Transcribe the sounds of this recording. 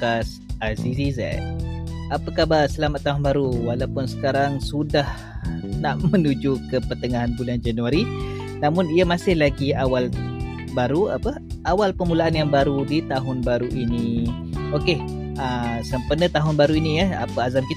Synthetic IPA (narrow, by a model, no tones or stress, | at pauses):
as | asisiza̰ | apəkabasəlamat̪ːaɦʊnbaɾuwalawpʊnsə̥kaɾaŋsudah | naʔmənud͡ʒukəpərt̪əŋaɦanbuland͡ʒanuaɾi | namʊniamasɪhlaɡiawal | baɾua̰pə | awalpəmulaanjaŋbaɾudit̪aɦʊnbaɾuʔini | oke | əsəmpənət̪aɦʊnbaɾuinijəa̰pəazamkit̪